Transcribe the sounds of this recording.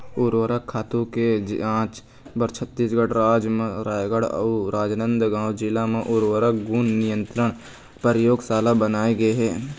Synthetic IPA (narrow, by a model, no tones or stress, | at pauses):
ʊɾwəɾəkʰːaːt̪ũked͡ʒãːt͡ʃ | bəɾt͡ʃʰət̪ːiːsɡəɽɾaːd͡ʒmẽɾaːjɡəɽə̰uɾaːd͡ʒnə̃nd̪ɡãːwd͡ʒɪlamẽʔʊɾwəɾək̚ɡuːnnɪjə̃nt̪ɾəɳ̃ | pəɾəjoːɡsaːlabənaːeɡəeɦɛː